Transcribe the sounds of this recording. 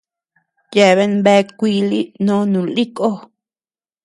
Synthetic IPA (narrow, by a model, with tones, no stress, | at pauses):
je˨βe˧nbe˦˧kʷiː˧˦li˦nõ˦nũ˨li˦kʼo˦